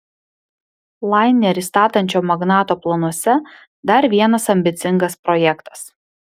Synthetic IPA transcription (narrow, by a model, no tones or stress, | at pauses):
lˠɑɪnʲɛɾʲist̪ɑːt̪ɐnʲt͡ʃʲoːmɐɡnɑːt̪oːplˠɐnuɔsʲɛ | d̪ɐɾʋʲiɛnɐsɐmʲbʲɪt̪sʲɪŋɡɐspɾɔjɛkt̪ɐ̥s